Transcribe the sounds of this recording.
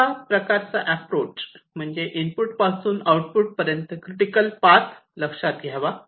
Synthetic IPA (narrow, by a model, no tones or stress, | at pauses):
apɾəkaɾt͡saʔæpɾot͡ɕ | m̤əɳd͡zeʔinpuʈpasuːnawʈpuʈ̚pəɾjənt̪əkɾiʈikəlpat | ləkʂat̪̚ɡʱjaʋa